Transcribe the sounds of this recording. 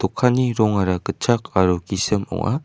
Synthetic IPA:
t̪ɔkʰaniɾɔŋaɾakɯt͡ʃʰakʰaɾukisɯmɔ̰ŋa̰

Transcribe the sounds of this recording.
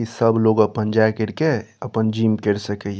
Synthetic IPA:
isəbloɡəpənd͡ʒaekəɾkeəpənd͡ʒimkeɾsəkə

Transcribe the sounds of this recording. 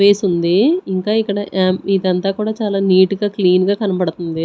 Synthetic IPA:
eːsund̪iiŋkaːikːɐɽɐid̪ɐnt̪aːkuːɽaːt͡ʃaːlaːniːʈuɡaːkliːnɡaːkɐnɐpɐɽut̪und̪i

